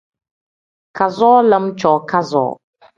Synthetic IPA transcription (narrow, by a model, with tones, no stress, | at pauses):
kʰa˨zɔː˦lə˦m˦t͡ʃɔ˨kʰa˦zɔ̰ː˨˦